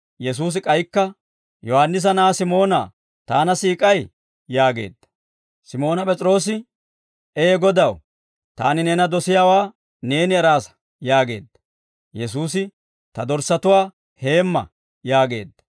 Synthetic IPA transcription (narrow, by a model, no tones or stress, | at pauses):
jɛs̬uːs̬ɪkʼɐjkːɐ | jɔhanːɪs̬ɐnaːsɪmo̞ːna̰ː | t̪aːnɐsiːkʼɐj | jaːɡe̞̰ːd̪ːɐ̥ | sɪmo̞ːnɐpʼɛt͡sʼɾo̞ːs̬ɪ | ɛɛɡɔd̪ɐw | t̪a̰ːnɪneːnɐd̪ɔsɪjaːwaː | ne̞ːnɪɛɾaːsɐ̥ | jaːɡe̞̰ːd̪ːɐ̥ | jɛs̬uːs̬ɪ | t̪ɐd̪ɔɾsɐt̪ʊwaː | he̞ːmːɐ̰ | jaːɡe̞ːd̪ːɐ̥